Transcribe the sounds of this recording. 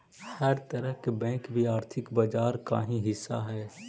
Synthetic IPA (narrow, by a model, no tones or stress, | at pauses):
həɾt̪əɾəɦkebɛ̃ːkbʱiaːɾt̪ʰɪkbad͡ʒaːɾka̰ːɦĩɦɪsːa̰ɦɛː